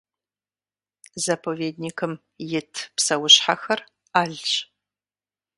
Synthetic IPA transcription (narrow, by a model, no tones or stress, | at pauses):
zɐpʰoveːdnikʰɨm | jɪtʰpsɐwʊɕħaxɐr | aːɮt͡ʃʼ